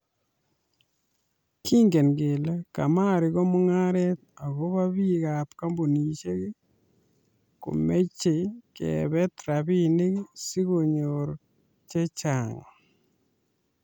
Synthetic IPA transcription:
ki˦ŋɡe˨nɡe˨lka˨ma˦˨ɾɪ˨ɣɔ˦mʊ˦ŋa˦ɾɛ˦t̪̚a˨ɣo˦ba˦bi˦ka˨pka˦mbo˨ni˨t͡ʃe˦ki˦ | kṵ˨me˦t͡ʃe˨kɛ̰˨bɛ˦t̪ɾa˨bi˦ni˦ksi˦ɣo˨ɲo˨ɾ | t͡ʃe˦t͡ʃa˨ŋ˨

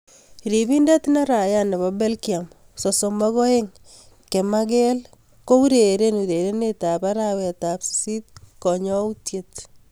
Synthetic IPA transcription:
ɾiβi˦nda˦t̪na˦ɾa˨ja˦ne˨βa˦be˦lkia˨m | so˨so˨mɔ˦ɣɔ˦e˦ŋ | ke˨ma˦ɣe˦l | ko˦u˦ɾeɾe˦nu˨ɾe˨ɾe˦neta˨pa˦ɾawea˨ta˨psi˦t̚kɔ˨ɲɔ˦u˦tje˦t̪

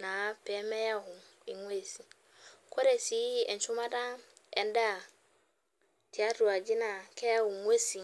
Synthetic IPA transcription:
na˨˦pɛ˨˦mɛ˦ja˦hʊ˨ | i˨ŋʷ˦e˦˨si˨ | kʰo˦ɾe˨si˨˦ɛ˨n̩˨t͡ʃʊ˦ma˦dã˦ | ɛ˨n˦da˦˨ | tʰi˨a˦tu˨a˨d͡ʒɪ˦na˨kʰɛ˦a˦hʊ̃˨ŋʷe˦si˨

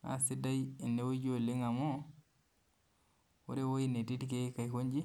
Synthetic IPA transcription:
a̰˨si˦da˦ji˨nːe˨˦wo˦d͡ʒo˨lːi˦ŋa˨mo˦ | wu˦ɾe˦wo˦inːe˨ti˦ti˦ke˦ka˨jko˦ɲd͡ʒi˦

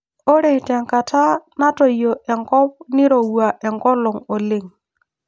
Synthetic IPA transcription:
ɔ˦ɾɛ˨tɛ˨ŋka˨tʰa˦na˦tɔ˨jɔ˨ʔɛ˨ŋkɔ˦p̚nɪ˦ɾɔ˨wwa˨ʔɛ˨ŋkɔ˦lɔ˨ŋɔ˨lɪ˦ŋ

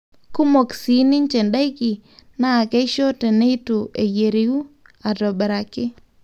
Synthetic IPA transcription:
ku˦mo˨ksi˨ni˦nt͡ʃe˨nda˦iki˨na˦˨ke˦ʃo˦te˨ne˦i˦tu˨e˨je˨ɾi˨u˦ | a˨tɔ˨bɛ˨ɾa˨kɪ˦

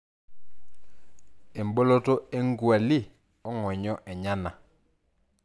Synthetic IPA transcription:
e˨mbo˦lo˦to˦e˦ŋɡwa˨lɪ˦˨ | ɔ˦ŋwɔ˨ɲɔ˦ʔɛ˨ɲa˦na˨

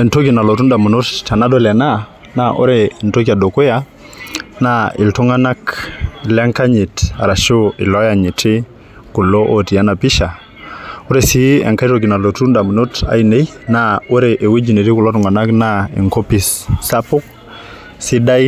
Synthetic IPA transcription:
e˨nto˦ki˨na˨lo˨tu˦nda˨mu˨nu˦tta˨na˦do˨lɛ˨na˦ | naʔo̰˦ɾe˨nto˦ka˨do˨ku˦ja | nai˨ltu˦ŋa˦na˦klɛ˦ŋka˦ɲi˨ta̰˨ɾa˨ʃo˦ɪ̰˨lɔ˦ja˨ɲi˨ti˦ | ku˨lo˦ʔo˨ti˨a˦na˨pi˦ʃa˨ | u˦ɾe˨si˦ɛ̰˨ŋka˦ɾo˨k̬i˨na˨lo˨tu˦nda˨mu˨nu˦ta̰˨i˨ne˦jnao˦ɾe˨ʔe˨we˦d͡ʒi˨ne˨ɾi˦ku˨lo˦tu˨ŋa˨na˦knaḭ˨ŋko˦pi˨sːa˦pu˦k̚ | si˦da˦j

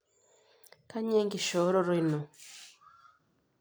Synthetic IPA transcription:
ka˦ɲɛ˦ŋɡi˨ʃɔ˨˦ɾɔ˦ɾi˦nɔ˨

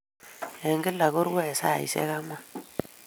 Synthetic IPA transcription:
ja˨ŋɡi˦lːa˨ɣo˦ɾɡe˦e˨sa̰˦˨ḭ˨sḛ˦ɣa˦ma˦

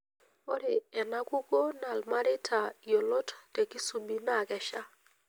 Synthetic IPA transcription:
o˦ɾɪ˨ɛ˨na˦ku˦ko˦na˨lma˦ɾɪ˦tʰa˨jo˨lo˦tte˨ki˦su˨bi˦na˦˨kɛ˨ʃa˦

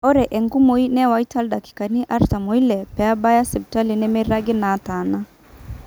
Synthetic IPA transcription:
ɔ˦ɾɛ˨ʔɛ˨ŋɡu˦mo˨˦i˦nɛ˦wa˨˦i˦ta˦lda˨ki̥˨ka˨ni˦ʔa˦ɾta˨mo˨˦i˦lɛ˨pɛ˨a˦ba˦ja˦sɛ˨b̚ta˦li˨nɛ˦mɛ˦ɾa˦ɡɪ˦na˨˦ta˨na˦

